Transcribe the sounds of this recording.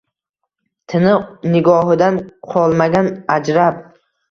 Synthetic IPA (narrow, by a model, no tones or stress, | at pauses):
t̪ʰɪnɪnɪɡɒɦɪd̪anqʰɒlˠmaɡʲanad͡ʒɾap̚